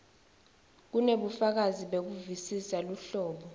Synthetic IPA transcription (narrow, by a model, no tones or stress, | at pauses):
k̬uneɓufak̬aziɓek̬uvisisaluɬɔːɓɔ